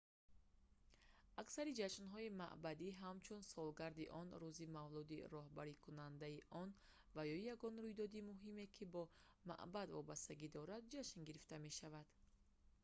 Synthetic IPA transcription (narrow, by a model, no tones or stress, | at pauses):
aksaɾid͡ʒaʃnɦɔima̰ʔbad̪iɦamt͡ʃʰunsɔlɡaɾd̪iʔɔnɾuzimavlud̪ḭɾɔɦbaɾikʰunand̪aiʔɔn | vajɔjaɡɔnɾujd̪ɔd̪imuɦime̞kʰibɔ | ma̰ʔbad̪vɔbast̪aɡid̪ɔɾad̪̚d͡ʒaʃnɡiɾift̪ame̞ʃavad̪̥